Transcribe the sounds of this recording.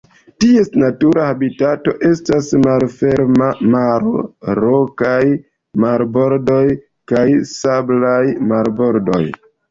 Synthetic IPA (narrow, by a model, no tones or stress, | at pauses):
tie̞snatuɾahabitato̞ʔe̞stasmalfe̞ɾmamaɾoɾokaj | maɾbo̞ɾdo̞j | kajsablajmaɾbo̞ɾdo̞̰j